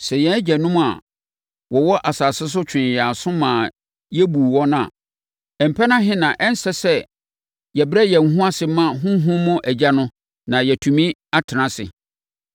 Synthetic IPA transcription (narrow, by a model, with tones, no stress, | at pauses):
sɛ˨jɛ̃˨æ˦d͡ʑɛ˨nʊ̃˦m˦a˨ | wʔɔ˨wɔ˦ʔa˨saː˨sɪ˦s̬ʊ˦t͡ɕʰᶣɪ̃˨n˨ja˨sʊ̃˦mãː˨ | jɛ˦bu˨wɔ̃˦nʊ̃˦ã̰˨ | ɛ˨m̩˨pʰɛ˦nã˦ɦɪ̃˦nã˨ʔɛ˦n̩˦sɛ˦sɛ˦ | jɛ˨bɛ˦jɛ˨ŋ̩˨ɦũ˦a˦sɪ˨˦mã˦˨ɦʊ̃˦ɦʊ̃˦mʊ̃˦ʔæ˨d͡ʑa˦nʊ̃˦ | nã˨jɛ˨tʰũ˨mĩ˦a˦tʰɪ˨nã˨sɪ̰˨